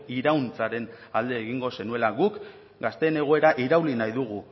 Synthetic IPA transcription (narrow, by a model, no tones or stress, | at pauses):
iɾawnt͡saɾe̞n | ald̪e̞ːɣiŋɡo̞se̞nue̞laɡuk | ɡast̪e̞ːne̞ɣ̞o̞e̞ɾaʔiɾawlinajðuɣ̞u